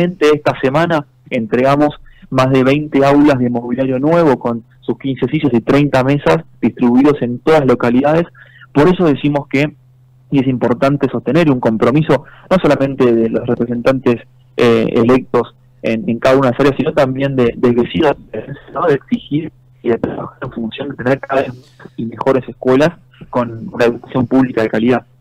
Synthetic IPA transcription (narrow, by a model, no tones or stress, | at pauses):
ẽnt̪eest̪asemana | ent̪ɾeɣamo̞smazðe̞βejnt̪eawlazðemo̞βiljaɾjo̞nwe̞βo̞ko̞n | suskinsesiʃosit̪ɾejnt̪ame̞sasd̪ist̪ɾiβuiðo̞se̞nt̪o̞ðalo̞kaliðaðe̞s | po̞ɾe̞soð̞esimo̞ske | es̬impo̞ɾt̪ant̪eso̞st̪e̞neɾiuŋko̞mpɾo̞miso̞no̞so̞lamẽ̞nt̪eðelosrepɾes̬e̞nt̪ant̪es | ḛḛlek̚t̪o̞s | ḛneŋkaðaunaðsaɾjasino̞t̪ambje̞nd̪ed̪eβesinoieɾensjano̞ðeːksixiɾ | iðet̪ɾaβa̰xaɾeɱfunsjond̪e̞t̪eneɾkaðaβezmut͡ʃasime̞xo̞ɾeseskwe̞las | ko̞nunaeukḁsjo̞mpuβlikaðe̞kaliðað